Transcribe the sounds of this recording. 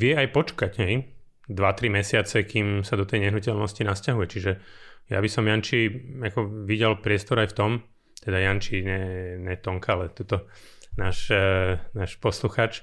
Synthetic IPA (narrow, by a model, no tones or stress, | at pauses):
ʋɪɛajpɔt͡ʃkaɟɦɛj | d̪ʋat̪ɾimɛsɪat͡sɛkiːmsad̪ɔt̪ɛjɲɛɦnucɛlnɔscinascaɦujɛt͡ʃiʒɛja̰bisɔmjant͡ʃiakɔʋiɟɛlpɾɪɛst̪ɔɾajft̪ɔm | t̪ɛd̪ajant͡ʃiɲɛɲɛt̪ɔŋkalɛt̪ut̪ɔ | naːʃ | naːʃpɔsluxaːt͡ʃ